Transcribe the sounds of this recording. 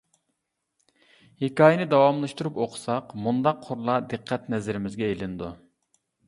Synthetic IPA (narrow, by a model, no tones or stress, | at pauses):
hekɑːjɛnɪd̪ɑwɑmlˠɑʃt̪uɾupoqʰʊ̥sɑqmund̪ɑqʰːʊɾlˠɑd̪ɨqʰːɛt̪nɛzɪɾɪmɪzɡʲɛelɪnd̪u